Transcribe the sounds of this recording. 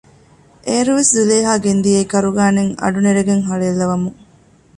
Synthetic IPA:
ʔeːɾuʋeszileːɦaːɡend̪ijeikɐɾuɡaːneŋɐ̰ɖuneɾeɡeŋɦɐɭeːlːɐʋɐmuŋ

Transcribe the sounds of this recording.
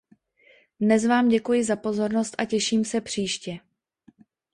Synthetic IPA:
dnɛzvaːmɟɛkujɪzapo̞zo̞ɾno̞st̪ʔacɛʃiːmsɛpr̝̥iːʃcɛ

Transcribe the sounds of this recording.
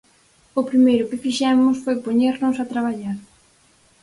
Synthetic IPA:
ʊpɾimejɾʊkɪfiʃɛmʊsfojpoɲeɾnʊsat̪ɾaβ̞aʎaɾ

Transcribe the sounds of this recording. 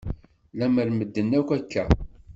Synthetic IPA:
læməɾməd̪ːənːækʷækːæ

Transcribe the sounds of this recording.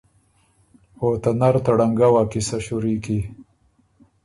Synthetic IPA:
ot̪anaɾt̪aɽaŋɡawakisaɕuɾiːki

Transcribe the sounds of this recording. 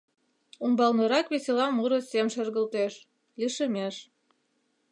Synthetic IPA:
umbɑlnə̆ɾɑkβeselɑmːuɾəsemʃə̆rɣəlt̪eʃ | liʃə̆meʃ

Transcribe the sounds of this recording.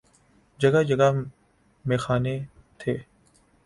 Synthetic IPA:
d͡ʒɐɡad͡ʒəɡa | mẽːxaːne | t̪ʰeː

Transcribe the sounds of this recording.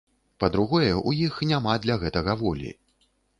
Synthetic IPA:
pɐd̪ɾuɣɔjɛujixnʲamad̪lʲɐɣɛt̪ɐɣɐvɔlʲḭ

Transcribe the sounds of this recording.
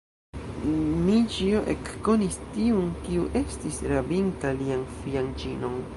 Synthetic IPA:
nid͡ʒioʔekːo̞nistiunkiuʔe̞stisɾabintalianfiand͡ʒino̞n

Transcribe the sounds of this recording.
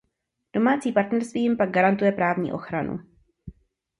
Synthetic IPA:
d̥o̞maːt͡siːpaɾt̪nɛɾst̪viːjɪmpaɡ̚ɡaɾant̪ujɛpɾaːvɲḭːʔo̞̰xɾanṵ

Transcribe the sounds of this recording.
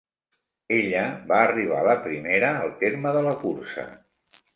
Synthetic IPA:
eʎəβaəriβ̞a̰ləpɾimeɾəːlˠt̪eɾməðələkuɾsə̰

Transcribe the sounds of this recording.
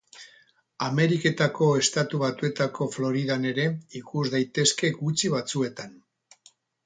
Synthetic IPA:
ame̞ɾike̞t̪ako̞e̞st̪at̪uβat̪ue̞t̪ako̞flo̞ɾið̞ane̞ɾe̞ikuzd̪ajt̪e̞ske̞ɡut͡siβat͡sue̞t̪an

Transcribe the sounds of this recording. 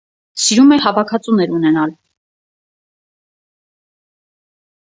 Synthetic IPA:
siɾumɛhɑvɑkʰɑt͡sunɛɾunɛnɑl

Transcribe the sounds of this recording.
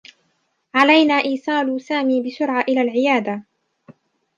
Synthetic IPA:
ʕalajnaːʔiːsˤɑːlʊsaːmiːbɪsʊɾʕaʔɪlaːlʕɪjaːd̪a

